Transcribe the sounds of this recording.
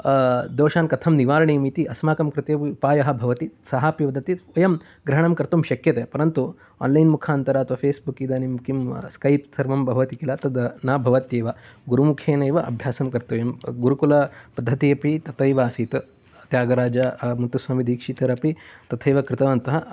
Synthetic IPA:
d̪oːʃaːnkɐt̪ʰɐmniʋaːɾɐɳiːmit̪iʔɐsmaːkɐmkɾɪt̪eːiupaːjɐɦɐ̆bʱɐʋɐt̪isɐɦaːpjiʋɐd̪ɐt̪iɐjɐm | ɡɾɐɦɐɳɐmkɐɾt̪ɐmʃɐkjɐt̪eːpɐɾɐnt̪u | o̰ːnlɐjnmukʰaːnt̪ɐɾaːɐt̪ʋɐpʰeːsbukid̪aːnimkimskɐjpsɐɾʋɐmbʱɐɦʋɐt̪ikilɐt̪ɐd̪naːbʱɐʋɐt̪jeːʋɐɡuɾumukʰeːnɐjʋɐʔɐbʱjaːsɐmkɐɾt̪ɐːjɐmɡuɾukulɐpɐd̪ʱːɐt̪iɐpit̪ɐt̪ɐjʋaːsit̪ | t̪jaːɡɐɾaːd͡ʒɐmunt̪ːusʋaːmid̪iːkʂit̪ɐɾɐpit̪ɐt̪ʰɐjʋɐkɾɪt̪ɐʋɐnt̪ɐɦɐ

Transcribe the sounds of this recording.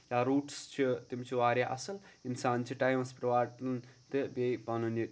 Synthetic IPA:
jaːɾuːʈst͡ʃʰit̪imt͡ʃʰiʋaːɾʲjaʔɐsɐlinsaːnt͡ʃʰiʈaːjmɐspɾɐʋaːɾʈɐnt̪ɨbejbɐnuni

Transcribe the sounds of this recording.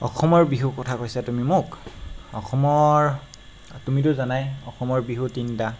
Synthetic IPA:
ɔ̰xɔmɔɹbiɦukɔtʰakojsatumimʊkɔxɔmɔɹ | tumit̬ʊzanajɔxɔmɔɹbiɦutinta

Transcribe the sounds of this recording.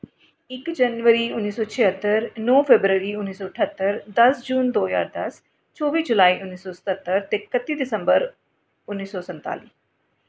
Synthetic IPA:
ɪkd͡ʒənʋəɾiːʊnːiːsɔːt͡ʃʰɪɦət̪ːəɾnɔːpʰebɾəɾiːʊnːiːsɔːəʈʰət̪ːəɾd̪ɐsd͡ʒuːnd̪oːja̰ːɾd̪ɐs | t͡ʃɔːʋiːd͡ʒʊlaːiːʔʊnːiːsɔːsə̥t̪ət̪ːəɾt̪ekət̪ːiːd̪ɪsə̃mbəɾ | ʊnːiːsɔːsə̃nt̪a̰ːlḭː

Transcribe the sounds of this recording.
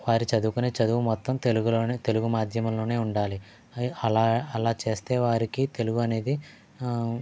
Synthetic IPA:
ʋaːɾit͡ʃɐd̪ukuneːt͡ʃɐd̪uʋumɔt̪ːɐmt̪e̞luɡuloːnːt̪e̞luɡumaːd̪ʱjɐmɐmlo̞ːneːuɳɖaːli | ɐlaːɐlaːt͡ʃe̞ːst̪e̞ːʋaːɾikit̪e̞luɡuɐne̞ːd̪i

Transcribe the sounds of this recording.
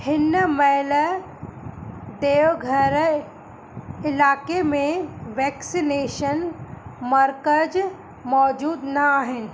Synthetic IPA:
hɪnmələ | d̪eːʋɡʱəɾ | ɪlaːkemẽʋɛːksineːʃənmɐɾkəd͡ʒ | mɔːd͡ʒuːd̪nɐaːɦɪn̆

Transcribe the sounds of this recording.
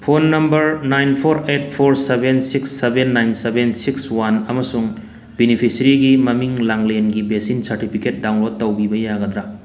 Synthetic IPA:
pʰonːɐmbɐɾnajnpʰoɾet̚pʰoɾsebʱensiksːebenːajnsebensikswanɐmɐsuŋ | binipʰisɐɾiɡimɐmiŋlaŋlenɡibesinsɐɾtipʰiket̚dawnlod̚ːɐwbibɐjaɡɐd̪ɾa

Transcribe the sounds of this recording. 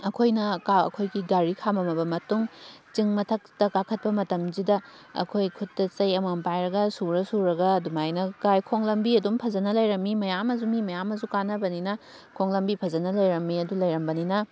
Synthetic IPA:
ɐkʰojnɐkaɐ̰kʰojɡiɡaɾikʰamɐmɐbɐmɐtuŋt͡ʃiŋmɐtʰɐk̚tɐkakʰɐt̚pɐmɐtɐmzidɐ | ɐ̰kʰojkʰutːɐt͡ʃɐjɐmɐmpajɾɐɡɐsuɾɐsuɾɐɡɐdumajnɐkajkʰoŋlɐmbiɐdumpʰɐzɐnɐlɐjɾɐmːimɐjamɐzumimɐjamɐzukanɐbɐninɐ | kʰoŋlɐmbipʰɐzɐnɐlɐjɾɐmːiɐdulɐjɾɐmbɐninɐ

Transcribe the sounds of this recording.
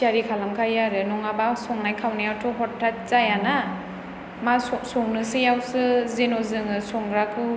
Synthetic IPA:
aɾikʰalamkʰajaɾɯnɔŋabasɔŋnajkʰawnajawtʰɔɦɔtʰːat̚z̥ajana | masɔsɔŋnɯsɯjawsɯzenɔzɯŋɯsɔŋɡɾakʰɯ

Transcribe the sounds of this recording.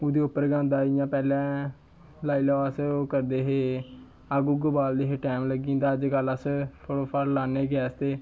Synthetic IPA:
ʊd̪eːʊpːəɾɡãːnd̪aːɪjãːpɛːlɛ̃ː | laːiːlaaːskəɾd̪eːɦeː | aɡuːɡʊbaːld̪eːɦeːʈɛːmləɡĩːnd̪aːəd͡ʒɡələspʰoɽoːpʰəɾlaːneːɡɛːst̪eː

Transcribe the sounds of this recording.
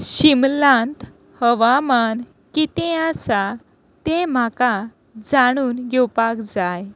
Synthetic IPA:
ɕimlãnt̪ | həʋaman | kit̪ẽasa | t̪em̤aka | d͡zaɽ̃uːnɡɛwpakd͡zaj

